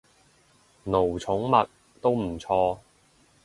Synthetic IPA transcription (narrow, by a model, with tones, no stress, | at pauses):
no˨˩wt͡sʰʊ˨˥ŋmɐ˨t̚ | t̪o˥wm̩˨˩t͡sʰɔː˧